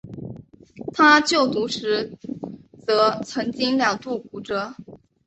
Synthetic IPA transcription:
t̪ʰa˥t͡ɕjo˥˩ʊt̪u˧˥ʂɻ̩˧˥ | t͡sɤ˧˥t͡sʰɤ˧˥ŋt͡ɕi˥ŋljɑ˨˩ŋt̪u˥˩ku˧˥ʈ͡ʂɤ˥

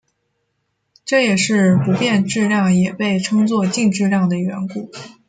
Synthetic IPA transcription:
ʈ͡ʂɤ˥˩jɛ˨˩ʂɻ̩˥˩pu˧˥pjɛ˥˧nʈ͡ʂɻ̩˥˧ɻjɑ˥˩ŋjɛ˨˩pe˥˩ɪʈ͡ʂʰɤ˥ŋt͡swɔ˥˧t͡ɕi˥˧ŋʈ͡ʂɻ̩˥˧ɻjɑ˥˩ŋd̪ə˩ɥɛ˧˥nku˨˩˦

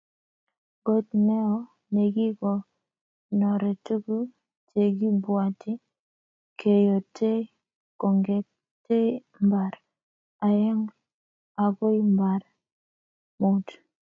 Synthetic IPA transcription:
ɡo˦tnɛ˦ɔ˦ | ne˨ɡi˦ɡɔ˨ | nɔ˨ɾɛ˨tu˦ɡu˦ | te˨ɡi˦bwa˨tɪ˦ | kʰe˨jo˨te˦ | ko˨ŋɡe˨ | te˦ | mba˨ɾ | a˨jɛ˦ŋ | a˨ɡo˦i˦mba˨ɾ | mu˨t

